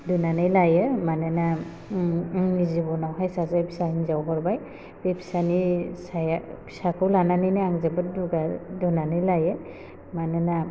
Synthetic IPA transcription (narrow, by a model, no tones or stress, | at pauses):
dunanɯjlajɛmanɛna | nizibɔnawɦajsazapʰi̥saiŋzawɦɔɹbaj | bepʰi̥sanisajpi̥sakɯwlananinaaŋzabɯt̚duɡadunanɯjlajɛ | manɛna